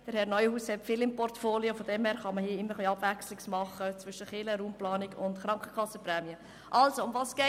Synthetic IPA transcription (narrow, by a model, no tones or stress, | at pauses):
d̥əɾhɛɾnɔʏhuːshɛtfɪːlɪmpɔrtfoːliofod̥ɛmhɛːɾχɑməhiəɪmːəɾχliɑb̥vækslɪksmɑχət͡svʏʃəχɪləɾuːmplɑːnɪɡʊndχɾɑŋkχəkʰɑsːəpɾɛːmiə | ʔɑlsoʊmvɑːsɡ̥ɛ